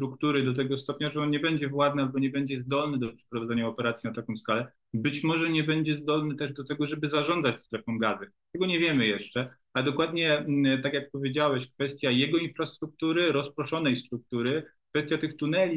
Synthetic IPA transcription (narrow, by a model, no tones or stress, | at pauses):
st̪ɾukt̪uɾɘd̪ɔt̪̬ɛɡɔst̪ɔpɲaʐɛɔnɲɛbɛɲd͡ʑɛvwad̪̚nɨalbɔɲɛbɛɲd͡ʑɛzd̪ɔlnɘd̪ɔpʂɛ̥pɾɔvad̪ɛɲaɔpɛɾat̪sʲjinat̪akɔ̃skalɛ | bɘt͡ɕmɔʐɛɲɛbɛɲd͡ʑɛzd̪ɔlnɘt̪ɛʐd̪ɔt̪ɛɡɔʐɛbɘzaʐɔnzat͡ɕst̪ɾɛfɔmɡazɘ | t̪ɛɡɔɲɛvʲjɛmɘjɛʂt͡ʂɛ | alɛd̪ɔkwad̪ɲɛt̪akʲjak̚pɔvʲjed͡ʑawɛɕkfɛst̪ʲjajɛɡɔinfɾast̪ɾuk̚t̪uɾɘɾɔspɾɔʂɔnɛjst̪ɾuk̚t̪uɾɘkfɛst̪jat̪ɘxt̪unɛlʲi